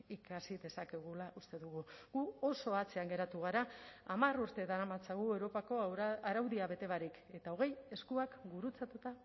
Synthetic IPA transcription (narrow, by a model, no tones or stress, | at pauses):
ikasiðe̞sake̞ɣ̞ulaʔust̪e̞ðuɣ̞uɣuo̞so̞at͡se̞aŋɡe̞ɾat̪uɣ̞aɾaːmaruɾt̪e̞ðanamat͡saɣuewɾo̞pako̞aɾawðiaβe̞t̪e̞βaɾik | e̞t̪ao̞ɣ̞e̞je̞skuakɡuɾut͡sat̪ut̪a